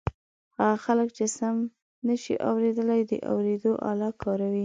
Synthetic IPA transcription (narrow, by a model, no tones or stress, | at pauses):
haɣaxaləkt͡ʃɪsam | nəʃḭʔa̰wɾed̪əlajd̪ə̰ʔa̰wɾed̪oʔɑ̰lɑkʰɑɾawi